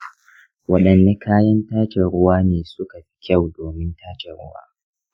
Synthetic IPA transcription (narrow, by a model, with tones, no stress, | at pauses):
wɐ˦ɗɐ˨nːe˦kʰaː˦jɐ˦ntaː˦t͡ʃe˨ɾʊ˦waː˦neː˨sʊ˦ka˨ɸi̥˦kʲa˦˨wdoː˨mɪ˦ntaː˦t͡ʃe˨ɾʊ̰˦wa̰ː˦